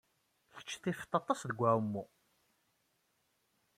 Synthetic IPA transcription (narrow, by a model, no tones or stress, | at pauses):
çə̥t͡ʃːθift̪ːɑt̪ˤːɑsðəɡʷːæumːu